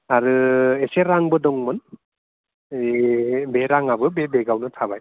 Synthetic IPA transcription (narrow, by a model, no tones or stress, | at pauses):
aɾɯeseɾaŋbɯdɔŋmɯn | beɾaŋabɯbebeɡawnɯtʰabaj